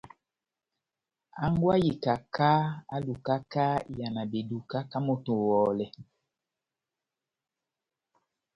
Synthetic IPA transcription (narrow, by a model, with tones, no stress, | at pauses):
a˦ŋɡwa˦ji˨ka˨ka˦a˦lu˨ka˦ka˦ja˨na˨be˨du˨ka˦ka˦mo˨to˨wɔː˨lɛ˨